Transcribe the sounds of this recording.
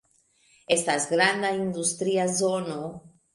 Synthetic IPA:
e̞stasɡɾand̪aind̪ustɾiazo̞no̞

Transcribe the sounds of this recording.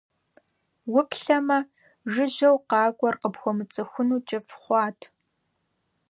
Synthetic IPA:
wʊpʰɬɐmɐ | ʒɨʑɐwqɑːɡʷʼɔrqəpxʷɔmɨt͡sʼɨxʷʊnuːt͡ʃʼɐfχʷɑːtʰ

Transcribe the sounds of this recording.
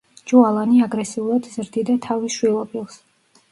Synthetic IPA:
d͡ʒualˠaniaɡɾɛsiulˠad̪zɾd̪id̪at̪ʰaviʃwilˠɔpʼilˠs

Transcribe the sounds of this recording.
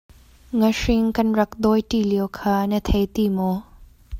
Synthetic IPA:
ŋɐʂiŋkɐnɾɐk̚d̪ɔjtiliwkʰanɐt̪ʰɐjt̪imɔ

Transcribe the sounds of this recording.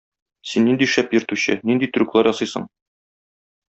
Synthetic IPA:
sinːind̪iʃæpjɵ̆ɾt̪uɕɘnind̪it̪ɵ̆ɾuklˠɑɾjɒsɤjsɤ̰ɴ

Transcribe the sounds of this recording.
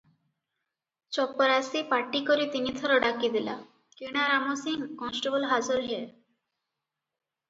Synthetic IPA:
t͡ʃɔpːɔɾasipaʈːikoɾit̪init̪ʰɔɾɔɖakid̪ila̰ | kiɽ̃aɾamosiŋkɔnsʈobɔlɦad͡ʒuɾɦe

